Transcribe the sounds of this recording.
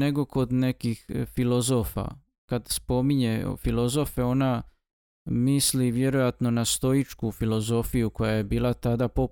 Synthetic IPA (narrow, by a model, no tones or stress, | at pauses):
neɡo̞ko̞d̪ne̞kixfilo̞zo̞fa̰ | kad̪spo̞miɲe̞filˠo̞zo̞fe̞o̞na | misliʋje̞ɾo̞jat̪no̞nast̪o̞jit͡ʃkufilˠo̞zo̞fijuko̞jaje̞biːlˠat̪ad̪apo